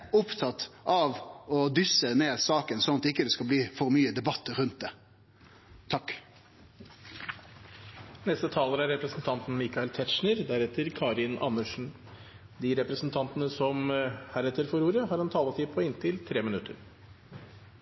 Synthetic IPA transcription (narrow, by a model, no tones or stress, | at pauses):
ʊpt̪ʰɑt̪ːʔɑʋɔd̪ʏsəneːsɑːkənsɔnɑt̪ɪkːəd̪ɛskɑlbliːfɔɾmyːəd̪ɛbɑt̪ːəɾʉnt̪̚d̪ɛ | t̪ʰɑkː | nɛst̪ət̪ʰɑːləɾæɾɾɛpɾəsnt̪ʰɑnt̪n̩mikɑɪlt̪ʰɛt̪ʃɳəɾd̪æɾɛt̪əɾkʰɑːɾɪnɑ̰nːəʂn̩ | d̪iɾɛpɾəsn̩t̪ʰɑnt̪ənəsɔmhæɾɛt̪ːəɾfɔɾuːɾəhɑɾɑnt̪ʰɑːlət̪ʰɪpʰɔɪnt̪ʰɪlt̪ʰɾeːmɪnʉt̪ʰːə̰ɾ